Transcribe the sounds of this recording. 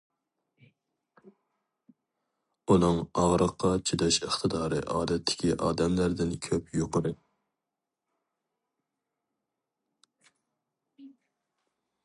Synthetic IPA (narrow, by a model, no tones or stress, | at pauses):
unɨŋɑʁɾəqʰːɑt͡ʃʰid̪ɛʃəχt̪ʰɨd̪ɑːɾɨ̰ʔɑːd̪ɛt̪ʰːɪ̥kʲiʔɑːd̪ɛmlæɾd̪ɪnkʲʰøpjoqʊɾɨ